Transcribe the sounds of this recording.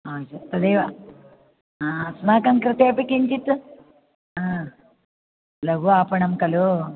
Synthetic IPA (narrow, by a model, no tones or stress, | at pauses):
aːt͡ʃɐt̪ːɐd̪ejʋa | smaːkɐŋkɾɐt̪eːpikiɲt͡ʃit̪ | a | lɐɡuaːpɐɳɐmkɐlo